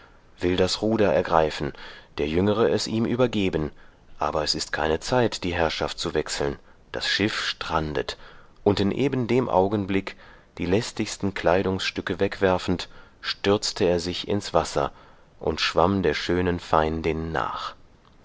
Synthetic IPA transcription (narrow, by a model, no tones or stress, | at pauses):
v̥ɪldasʁuːdɐɛɐɡʁaɪfn̩d̥eːɐjʏŋəʁəɛsʔiːmʔyːbɐɡeːbən | ʔa̰ːbɐɛsɪstkʰaɪnət͡saɪtd̥iːɦɛɐʃaft̚t͡suvɛksl̩n | d̥asʃɪfʃtʁ̥andət | ʔʊntɪnʔeːbən̩deːmʔa̰ʊɡən̩blɪk | d̥iːlɛstɪçstn̩kl̥aɪɾʊŋsʃtʏkəvɛkv̥ɛɐfn̩tʃtʏɐt͡stʰəeːɐzɪçɪ̰nsv̥asɐ̰ | ʔʊntʃv̥amdeːɐʃøːnənfaɪndɪnːa̰ːχ